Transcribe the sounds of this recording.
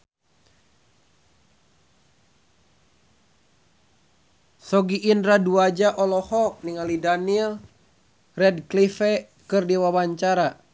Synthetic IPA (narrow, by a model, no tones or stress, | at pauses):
sɔɡiʔːnɾaduad͡ʒaʔɔlɔhɔk̚niŋalidanil | rɛd̚klifɛ | kɨrdiwawaɲt͡ʃaɾa